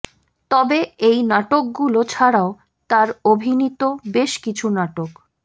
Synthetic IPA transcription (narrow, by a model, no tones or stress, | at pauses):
t̪ɔbeejnaʈok̚ɡulot͡ɕʰaɽao | t̪aɾobʱinit̪obeʃkit͡ɕʰunaʈok